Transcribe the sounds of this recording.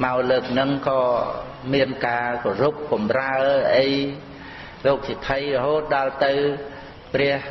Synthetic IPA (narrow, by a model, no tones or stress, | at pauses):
maɔləːk̚nɨŋkɑː | miənkaːkorup̚kɑmraəʔəj | loːk̚sip̪ʰəjrɔɦoːt̪̚ɗalt̪ɨw | prɛ̆əh